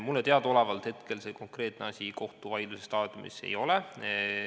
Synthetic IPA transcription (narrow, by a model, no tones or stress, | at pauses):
mulːet̪eɑd̪o̞levɑlt̪het̪ke̞lse̞ko̞ŋkre̞ːt̪ˑneɑsʲiko̞ht̪uvɑjd̪lusest̪ɑːd̪̥jomḭsḛjo̞le